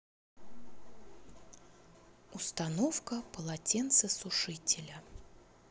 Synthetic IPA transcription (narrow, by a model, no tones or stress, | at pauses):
ʊst̪ɐnofkəpəlˠɐtʲent̪sɨsʊʂɨtʲɪlʲə